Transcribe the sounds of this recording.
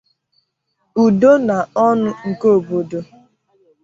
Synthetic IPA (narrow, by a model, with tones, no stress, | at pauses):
u˨do˦na˨ɔ˦nʊ˦ŋ̩˨ko˦o˨bo˨do˨